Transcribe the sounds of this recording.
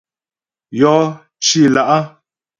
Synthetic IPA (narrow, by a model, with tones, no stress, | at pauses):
jɔ˨˦ | t͡ʃi˦˨la˨ʔa˦